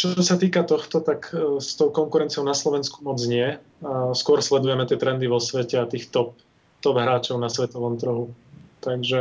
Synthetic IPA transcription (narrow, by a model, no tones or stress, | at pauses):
t͡ʃɔsat̪iːkat̪ɔxt̪ɔt̪akst̪ɔʊkɔŋkuɾɛnt͡siɪɔʊnaslɔʋɛnskumɔd͡zɲɪɛ | skʊɔɾslɛd̪ujɛmɛt̪ɪɛt̪ɾɛnd̪iʋɔsʋɛcɛat̪iːxt̪ɔp̚ | t̪ɔbɦɾaːt͡ʃɔʊnasʋɛt̪ɔʋɔmt̪r̩ɦut̪aɡʒɛ